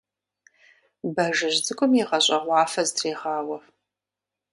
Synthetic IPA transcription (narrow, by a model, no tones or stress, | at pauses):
bɐʒɨʑd͡zɨkʷʼʊmjiʁɐɕʼɐʁʷɑːfɐztʰreːʁɑːwɐ